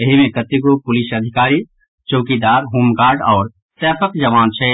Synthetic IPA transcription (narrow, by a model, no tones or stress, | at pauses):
ɐɦimẽkət̪iɡopʊlisəd̪ʱɪkaːɾi | t͡ʃoːkid̪aːɾɦuːmkaːɾɖɔːɾ | sɛːpʰəkd͡ʒɐʋaːnt͡ʃʰɛ